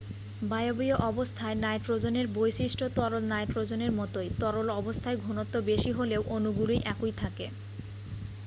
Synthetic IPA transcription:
bajobijoʔɔbost̪ʰaenajʈɾod͡ʑoneɾbojʃiʃʈʰot̪ɔɾolnajʈɾod͡ʑoneɾmɔt̪ojt̪ɔɾolɔbost̪ʰaeɡʱunot̪ːobeʃiɦolewʔonuɡulijʔɛkujt̪ʰake

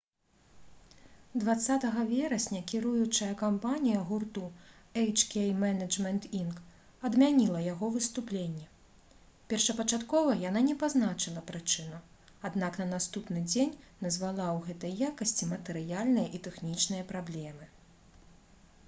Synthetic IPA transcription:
d̪vat̪sːat̪ɐɣɐvʲɛɾɐsʲnʲɐkʲiɾujut͡ʂɐjɐkampanʲijɐɣurt̪uɛjt͡ʂkʲɛjmɛnɐd͡ʐmʲɛnt̪ink | ɐd̪mʲanʲilˠɐjaɣɔvɨst̪uplʲenʲːɛ | pʲɛrʂɐpɐt͡ʂat̪kɔvɐjananʲɛpaznat͡ʂɨlˠɐpɾɨt͡ʂɨnu | ad̪naknɐnast̪upnɨd͡zʲenʲnɐzvalˠawɣɛt̪ɐjːakɐsʲt͡sʲimɐt̪ɛɾɨjalʲnɨjɐʔit̪ɛxnʲit͡ʂnɨjɐpɾablʲɛmɨ

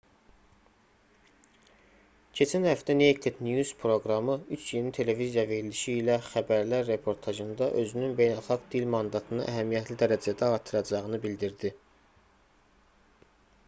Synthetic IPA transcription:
cʰe̞t͡ʃʰænhæft̪ænejt̪ʰed̪njuz̥pʰɾo̞ɡɾɑmɯyt͡ʃʰjinit̪ʰe̞le̞vizijɑve̞ɾiliʃiːlæxæbæɾlæɾːe̞pʰo̞ɾt̪ʰɑʒɯnd̪ɑʔø̞zynynbe̞jnælˠxɑɡd̪ilmɑnd̪ɑt̪ʰɯnɯʔæɦæmijæt̪ʰlid̪æɾæd͡ʒæd̪æɑɾt̪ʰɯɾɑd͡ʒɑʁɯnɯbild̪iɾd̪i

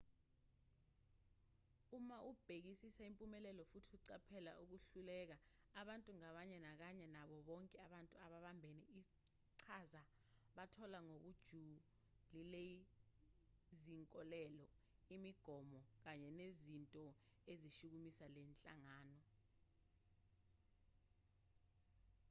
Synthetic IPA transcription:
umaʔub̥ʱek̬isisaimpʼumɛlɛlɔfutʰiuǀapʰɛla̰ʔuk̬uɬulɛk̬a | aɓantʼuŋaɓaɲɛnak̬aɲɛnaɓɔɓɔŋkʼɛaɓantʼuaɓaɓambʱenii | ǀʰaza | ɓatʰɔlaŋok̬ud̥ʒ̥ʱu | lile | ziŋkʼɔlɛlɔimiɡ̥ʱɔmɔk̬aɲɛnezintʼɔ | eziʃuk̬umisalɛnt͡ɬʼaŋaːnɔ

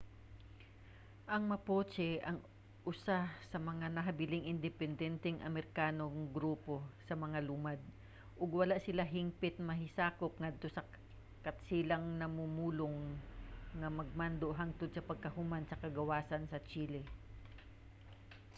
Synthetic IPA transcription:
ʔɐŋmɐpoːt͡ʃɛʔɐŋ | ʔʊsasɐmɐŋanɐɦɐbɪlɪŋʔɪnd̪ɛpɛnd̪ɛnt̪ɛŋʔɐ̰mɛɾɪkaːno̞ŋɡɾuːpo̞sɐmɐŋalʊmad̪̚ | ʔoɡwɐlaʔsɪlaɦɪŋpɪt̪̚mɐɦɪsaːko̞p̚ŋɐd̪̚t̪o̞sɐ | kɐt̪siːlɐŋnɐmumuːloŋː | ɐmɐɡ̚mand̪oʔɦaŋt̪od̪̚sɐpɐɡ̚kɐhʊmansɐkɐɡɐwaːsɐnsɐt͡ʃiːlɪ

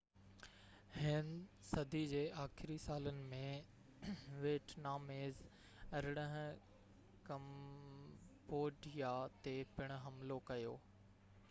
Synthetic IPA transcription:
hɪnɪsɐd̪ʱid͡ʑeːʔaːxɪɾisaːlənɪ̆mẽ | ʋeːʈʰnaːmeːz | ɐɾɪɽ̃əɦɪ̃ | kɐm | poːɖijat̪epɪɽ̃ʊ̆ɦɐmlokɐjo̰ː

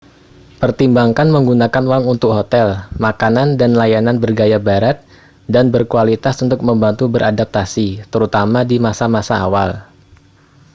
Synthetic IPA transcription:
pərt̪imbaŋkanməŋɡunakanwaŋunt̪ʊk̚ɦot̪ɛlmakanandanlajananbərɡajabaɾat̪̚ | danbərkualit̪asunt̪ʊk̚məmbant̪ubəɾʔadap̚t̪asit̪əɾut̪amadimasamasa̰ːwa̰l

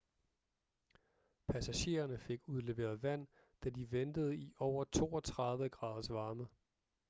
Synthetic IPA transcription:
pʰæsæɕe̝̰ːɐnəfe̝ɡ̥uðˠle̝ʋe̝̰ːɐð̞ˠʋæn̰ | d̥æd̥iʋend̥əð̞̩ˠiʔɒʊɐt͡sʰo̝̰ːɒ̽t͡sʰʁɑ̈ðˠʋəɡ̥ʁɑ̰̈ːð̞ˠsʋɑ̈ːmə

